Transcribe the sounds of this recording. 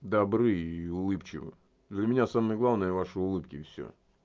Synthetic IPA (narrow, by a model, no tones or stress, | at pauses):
d̪ɐbɾɨiʊlˠɨpt͡ɕɪ̰vɨ̰ | d̪lʲəmʲɪnʲasaməjəɡlˠavnəjəvaʂɨʊlˠɨpkʲɪfʲsʲɵ̰